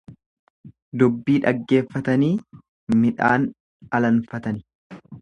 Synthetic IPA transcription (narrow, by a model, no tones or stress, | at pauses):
d̪ʊbːiːᶑɐɡːe̞ːfːɐt̪ɐniː | mɪᶑa̰ːn | ɐlɐnfɐt̪ɐnɪ